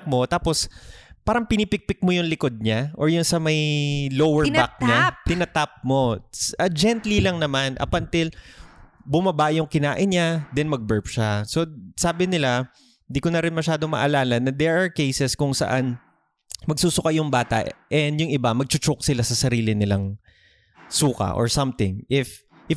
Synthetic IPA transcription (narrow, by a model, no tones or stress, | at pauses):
k̚mo̞t̪aːpo̞spaːɾɐŋpɪnipɪk̚pɪk̚mojʊŋlɪko̞d̪̚ɲaʔoɹjʊnsɐmɐjlowɛɹnak̚ɲat̪ɪnɐt̪ap̚mo̞sɐd͡ʒɛnt̪lilɐŋnɐmanʔɐ̰pɐnt̪ɪl | bʊmɐbaːʔjʊŋkɪnaːʔɪnɲad̪ɛnmɐɡ̚bɛɹpʃaso̞saːbɪnɪla | nd̪iːkonɐɾɪnmɐʃaːd̪omɐ̰ʔɐlaːlɐnɐd̪ɛɹaɹkɛjsɛskʊŋsɐ̰ʔan | mɐɡsuːsʊkajʊŋbaːt̪ɐ̰ʔɛnd̪jʊŋɪbamɐɡ̚t͡ʃʊt͡ʃʊk̚sɪlasɐsɐɾiːlɪnɪlaŋ | suːkɐ̰ʔɔ̰ɹsɐmt̪ɪŋʔɪf | ʔɪ